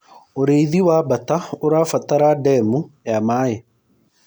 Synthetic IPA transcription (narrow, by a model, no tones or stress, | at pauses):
oɾeiðiwaːbat̪aoɾaːfat̪aɾaɖɛmujamaːje